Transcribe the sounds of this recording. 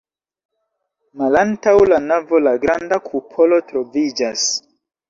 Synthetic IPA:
malantawlanavolaɡɾandakʰupʰolo̞tɾovid͡ʒas

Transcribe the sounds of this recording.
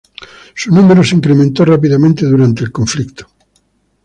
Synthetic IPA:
sunumeɾoseiŋkɾemẽnt̪orapiðamẽnt̪eðuɾant̪eːlkõɱflikt̪o̥

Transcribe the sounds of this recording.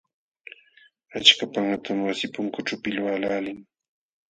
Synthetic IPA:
at͡ʃkapaŋat̪ʰamwasɪpʊŋkʊʈ͡ʂʊpɪlwalaːlɪŋ

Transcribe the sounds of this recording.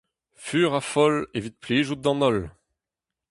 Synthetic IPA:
fyːʁafɔlevit̪̚pliʒud̪ɑ̃nɔl

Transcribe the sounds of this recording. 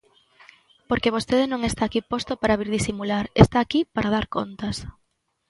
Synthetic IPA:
poɾkeβost̪eðenõŋest̪aːkipost̪opaɾaβiɾðisimulaɾest̪aːkipaɾað̞aɾkont̪as

